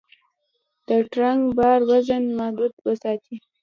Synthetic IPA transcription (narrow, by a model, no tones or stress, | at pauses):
d̪̥əʈɾaŋɡbɑɾwaʒənmahd̪ud̪wəsɑt̪i